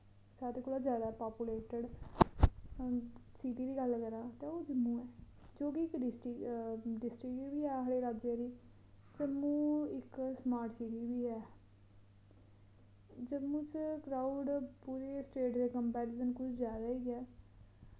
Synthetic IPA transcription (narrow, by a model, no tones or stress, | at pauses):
saːɾeːkoːlaːzjaːd̪aːpaːpuleːʈəɖ | siːʈiːd̪iːɡəlːkəɾãːt̪ẽːoːd͡ʒəmːũːɛː | d͡ʒoːkiɪkɖɪsʈɪɖɪsʈɾɪkiʋiːɛːɦaːɽeːɾaːd͡ʒeːɾiː | d͡ʒəmːũːɪksmaːɾʈsiːʈiːʋiːɦɛː | d͡ʒəmːũːt͡ʃkɾaːuɖpuːɾeːsʈeːʈd̪eːkəmpɛːɾɪsənkʊt͡ʃʰzjaːd̪aːiːɛː